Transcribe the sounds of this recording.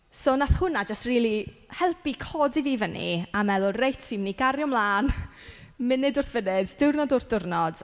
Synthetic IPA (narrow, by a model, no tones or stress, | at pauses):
soːnaθhʊnad͡ʒastriːlˠihɛlˠpikʰɔːdiviːvənḭamɛðʊlrejtʰviːmniɡaɾjɔmlˠaːn | mɪnɨdʊrθvənɪdd̥ɪwrnɔdʊrθd̥ʊrnɔd̥